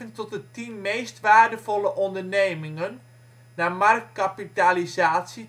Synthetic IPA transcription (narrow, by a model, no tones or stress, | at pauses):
əntɔt̚ətinmeːstʋaːɹdəvɔləʔɔndərneːmɪŋən | namark̚kapitalizaːtsi